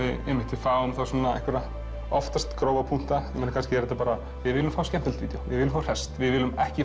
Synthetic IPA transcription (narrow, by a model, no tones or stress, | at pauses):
ɪðɛmːɪht̪ɪfaːwʏmθasɔnːaɛ̰hkvɛɾa | ɔft̪ast̪kɾoːwvapʰuŋ̥t̪ajɛmɛnːakʰanscɪɛɾɛt̪apaːɾa | vɪðvɪːlʏmfaːwscɛm̥p̪ʏlt̪viːt̪jowvɪ̰ðɪːlʏmfawr̥ɛst̪vɪðvɪːlʏmɛhcɪ